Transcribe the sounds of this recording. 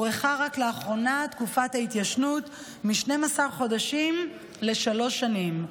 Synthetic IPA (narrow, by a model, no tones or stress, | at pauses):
ʁeχaʁakleaχʁo̞nat̪kufathait̪jaʃnut | miʃne̞masaʁχo̞daʃim | le̞ʃalo̞ʃanim